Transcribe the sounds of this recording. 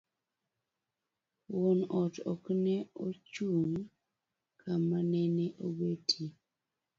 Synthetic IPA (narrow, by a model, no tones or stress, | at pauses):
wɔnɔtɔknɛot͡ʃuŋ | kʰamanɛnɛʔobetʰi